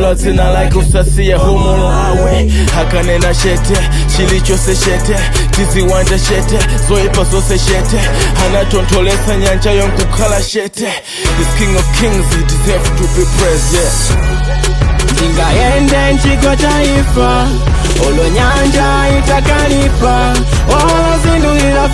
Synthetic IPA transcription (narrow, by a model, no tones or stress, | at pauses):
lazinalajkusasijaɦɔmɔlɔawɛ | hakanɛnaʃɛtʰɛ | t͡ʃilit͡ʃɔsɛʃɛtɛ | tiziwand͡ʒaʃɛtʰɛzɔipazɔsɛʃɛtɛhanatɔntʰɔlɛsaɲand͡ʒajɔŋt̪ɔkʰalaʃɛtʰɛ | iskĩŋɡɔvkʰiŋzitizɛvtubipɹɛzɛt | ndiŋɡajɛndɛnt͡ʃiɡɔt͡ʃa | ifa | ɦɔlɔɲand͡ʒa | itakalifa | ɔlɔzinduiɾa